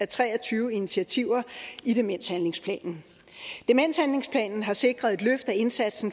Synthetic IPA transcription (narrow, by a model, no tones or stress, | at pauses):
æt͡sʰʁɛ̰ːɐt͡sʰyːʊəinit͡sʰiæt͡sʰiʊ̰ɐid̥e̝men̰shænle̝ŋspʰlɛ̰ːnn̩ | d̥emen̰shænle̝ŋspʰlɛ̰ːnn̩ɦɑ̈se̝ɡ̥ʁɐðˠe̝d̥løfd̥æe̝nsæd̥sn̩